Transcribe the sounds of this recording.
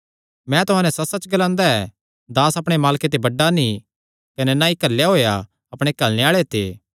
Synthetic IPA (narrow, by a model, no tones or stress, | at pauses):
mɛ̃t̪ʊɦãːnɛ̃sɐsɐt͡ʃɡɐlãːnd̪aɛ | d̪aːsɐpɽ̃emaːlket̪̬ebɐɖːani | kɐnɛnãːikɐɾlejaɦoːja | ɐpɽ̃ekɐlneaːɭet̪ḛː